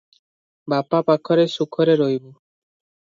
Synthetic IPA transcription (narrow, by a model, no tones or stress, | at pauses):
bapapakʰɔɾesukʰɔɾeɾojbu